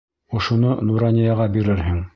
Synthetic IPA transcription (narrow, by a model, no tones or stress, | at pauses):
ŏʃŏnolˠuɾanʲɪjɑʁɑbiɾɘɾɦɘŋ